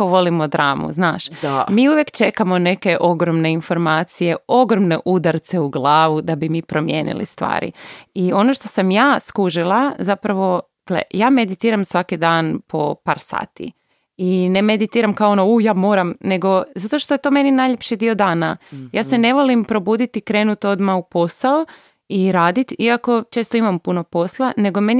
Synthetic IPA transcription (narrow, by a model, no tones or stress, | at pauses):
oʋo̞limod̪ɾaːmṵznaːʃmiːuʋjekt͡ʃe̞kamo̞ne̞ke̞ʔo̞ɡɾomne̞info̞ɾmaːt̪sije̞o̞ɡɾomnḛʔud̪aɾt̪seuɡlˠaːʋud̪abimipɾo̞mjeːnḭlḭst̪ʋa̰ːɾḭio̞noʃt̪osamjaːskuʒilˠazapɾaʋo̞ | ɡlḛjaːmed̪it̪iːɾamsʋakid̪aːnpʰo̞pa̰ːɾsa̰ːt̪ḭ | inemed̪it̪iːɾamkaoonoujaːmo̞ːɾamne̞ɡo̞zat̪o̞ʃt̪oje̞t̪o̞ːme̞ninajʎepʃid̪io̞d̪aːnajaːsene̞ʋolimpɾo̞buːd̪it̪ikɾe̞ːnut̪o̞d̪maupo̞sao | iɾaːd̪it̪iako̞t͡ʃe̞ːst̪oimampuno̞poslˠane̞ɡome̞n